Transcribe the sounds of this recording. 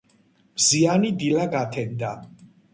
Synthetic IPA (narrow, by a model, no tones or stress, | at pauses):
mzianid̪ilaɡat̪ʰɛnd̪a